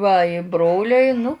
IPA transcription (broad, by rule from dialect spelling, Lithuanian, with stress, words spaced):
ˈʋɐ ɪ ˈbroːlʲɛɪ ˈnʊ